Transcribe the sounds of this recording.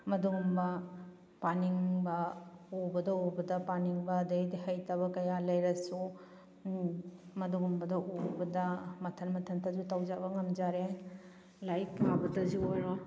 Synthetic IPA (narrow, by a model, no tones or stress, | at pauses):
mɐduŋumbɐ | paniŋbɐobɐdɐobɐdɐpaniŋbɐːdɐjdiɦɐjtɐβɐkɐjalɐjɾɐsu | mɐduŋumbɐdɐʔobɐdɐmɐtʰɐnmɐtʰɐntʰɐzutɐwd͡ʒabɐŋɐmd͡ʒaɾe | lajkpʰabɐtʰɐzuojɾɔ